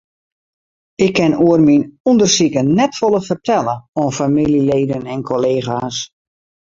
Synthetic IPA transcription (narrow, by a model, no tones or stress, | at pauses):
ɪkʰːɪnuərminundərsikənɛtfolˠəfərtʰɛlˠəɔnfamilileːdənɛnkʰoleːxaːs